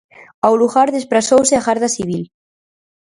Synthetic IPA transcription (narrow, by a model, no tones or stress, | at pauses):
awluɣaɾðespɾasowseaɣaɾðasiβ̞il